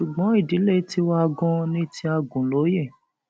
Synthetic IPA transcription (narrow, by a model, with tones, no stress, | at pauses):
ʃu˨ɡ͡bɔ̃˨˦i˦˨di˨˦le˦˨˦ti˦wa˦˧ɡɔ̃˧nĩ˦tʰi˧a˧ɡũ˨lo˨˦je˦˨